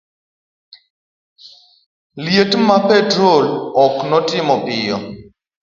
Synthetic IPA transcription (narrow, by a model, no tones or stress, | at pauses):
ljetmapɛtɾolɔknɔtɪmɔpɪjɔ̰